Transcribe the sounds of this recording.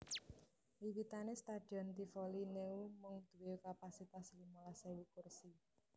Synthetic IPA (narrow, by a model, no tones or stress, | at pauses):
liwit̪anest̪ad̪̥iɔnt̪ifɔlineumʊŋd̪̥uweukapasit̪aslimɔlasewukʊrsi